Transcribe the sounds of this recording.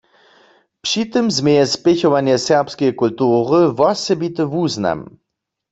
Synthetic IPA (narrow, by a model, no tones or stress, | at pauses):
pʂit̪ɨmzmɛjɛspɛçɔʋanjɛsɛʁpskɛjkult̪uːʁəvɔsɛbit̪ɨvuzna̰m